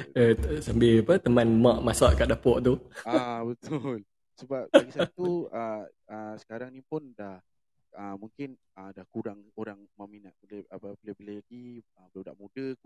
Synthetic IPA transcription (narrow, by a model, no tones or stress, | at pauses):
əsambɪlapət̪əmãnmaʔmasaʔkaʔdahpɔʔt̪uabət̪ʊl | səbap̚aɡisat̪uə | əsə̥kaɾaŋnipʊndah | əmuŋkɪn | ədahkuɾaŋoɾaŋmãʔminat̪̚bələapəbəlɛbəlɛɡiəbəlawda̰ʔmudə